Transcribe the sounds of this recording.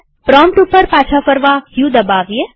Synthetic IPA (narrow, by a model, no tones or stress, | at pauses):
pɾɔmpʈupəɾpat͡ʃʰafəɾʋaɦjũd̪əbaʋje